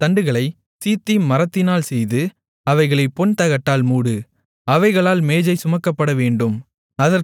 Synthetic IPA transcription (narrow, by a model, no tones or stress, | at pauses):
t̪ɐɳɖɯɣɐɭɐɪ | siːt̪ːimːɐɾɐt̪ːɪnaːlsɛjðɯ | ɐʋɐɪɣɐɭɐɪpɔnt̪ɐɣɐʈːaːlmuːɽɯ | ɐʋɐɪɣɐɭaːlmeːd͡ʒɐɪsʊmɐkːɐpːɐɽɐʋeːɳɖɯm | ɐðɐɾ